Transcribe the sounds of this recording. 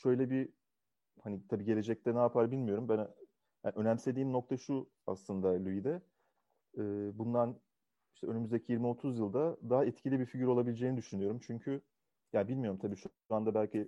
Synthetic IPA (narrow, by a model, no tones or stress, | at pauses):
ʃø̞jlʲɛbi | hanit̪ʰabiːɟe̞lʲe̞d͡ʒɛc̚t̪ʰɛnaːpʰaɾbilʲmijo̞ɾumbæn | jaʔø̞næmse̞d̪iːmno̞k̚t̪ʰaʃu | a̰slˠɯnd̪alʲuid̪ɛ | bund̪an | iʃt̪ʰɛønymyzd̪ecʰijiɾmio̞t̪ʰuzjɯlˠd̪ad̪aɦaɛt̪cʰilʲibiɾfiɟyɾo̞lˠabilʲed͡ʒeːinid̪yʃynyjo̞ɾumt͡ʃʰyɲcʰy | jabilʲmijo̞ɾumt̪ʰabiːʃʃuand̪abælʲcʰi